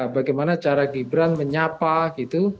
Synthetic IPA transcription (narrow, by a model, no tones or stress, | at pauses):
baɡajmanat͡ʃaɾaɡibɾanməɲapaɡit̪u